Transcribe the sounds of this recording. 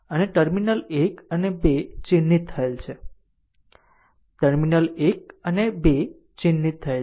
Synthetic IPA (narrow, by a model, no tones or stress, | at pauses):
əneʈəɾminəlekənebet͡ʃinːit̪ʰːəelt͡ʃʰe | ʈəɾminəlek̚ənebe | t͡ʃinːit̪ʰːəe